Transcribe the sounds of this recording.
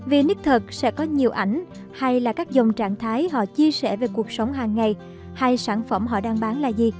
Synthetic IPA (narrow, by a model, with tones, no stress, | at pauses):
vi˨˩nɨ˦˥k̚t̪ʰə˨˩k̚sɛ̰˧˥kɔ˨˦ɲi˨˩əwʔa˧˩jŋ̟ | ha˧jlaː˨˩kaː˦˥k̚zə˨˩wŋ͡mt͡ɕaː˧˩ŋt̪ʰaː˨˦jɦɔ̰˧˨t͡ɕi˧əsɛ̰˧˩ve˨˩ku˨˩ək̚sə˨˦wŋ͡mɦaː˨˩ŋːa˨˩j | ha˧jsaː˧˩nfə˧˩mɦɔ̰˧˨ɗaː˧ŋɓaː˨˦nlaː˨˩zi˨˩